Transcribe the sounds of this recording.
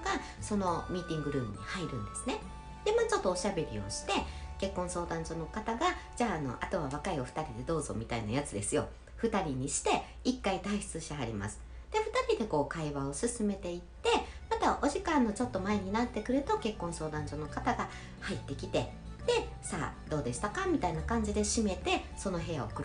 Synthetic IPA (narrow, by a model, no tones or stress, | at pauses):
ɡa | so̞no̞mʲiːt̪ʲĩŋɡɯ̟ɾɯ̟ːmɯ̟ɲ̟ḭhaiɾɯ̟̃nd̪e̞sɨne̞ | d̪̥e̞maːt͡ɕo̞t̪ːooɕabe̞ɾʲḭo̞̰ɕi̥t̪e̞ke̞kːõɰ̃so̞ːd̪ãɲ̟d͡ʑo̞no̞kat̪aɡad͡ʑaːno̞̰ʔat̪o̞β̞aβakaioɸɯ̟̥t̪aɾʲid̪e̞d̪o̞ːzo̞̰mʲit̪ainojat͡sɨd̪e̞sɨjo̞̰ | ɸɯ̟t̪aɾʲiɲ̟iɕi̥t̪e̞ | ikːait̪aiɕi̥t͡sɨɕaɦaɾʲima̰sɨ̥ | d̪̥e̞ɸɯ̟t̪aɾʲid̪e̞ko̞ːkaiβao̞sɨsɨme̞t̪e̞it̪ːe̞ | mat̪aʔo̞ʑikãnːo̞t͡ɕo̞t̪ːo̞mae̞ɲ̟inat̪ːe̞kɯ̟ɾɯ̟t̪o̞ke̞kːõ̞ɰ̃so̞ːd̪ãɲd͡ʑo̞ːno̞kat̪aɡa | hait̪ːe̞kʲit̪e̞ | d̪̥e̞sa̰ːd̪o̞ːd̪e̞ɕi̥t̪akamʲit̪ainakãɲ̟d͡ʑid̪e̞ɕime̞t̪e̞so̞no̞ɦe̞jaokɯ̟ɾ